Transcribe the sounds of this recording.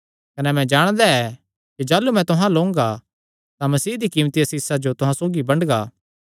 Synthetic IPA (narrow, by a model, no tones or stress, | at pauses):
kɐnɛmɛ̃d͡ʒaːɽ̃d̪aɛ | kid͡ʒaːlumɛ̃t̪ʊɦãloːʊ̃ŋɡa | t̪ãmɐsiːd̪ikiːmt̪ijɐsisad͡ʒot̪ʊɦãsoːɡibɐɳɖɡaː